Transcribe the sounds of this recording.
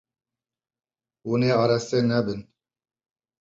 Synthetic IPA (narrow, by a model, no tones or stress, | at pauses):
wuneːɑːɾɛst̪eːnɛbɪn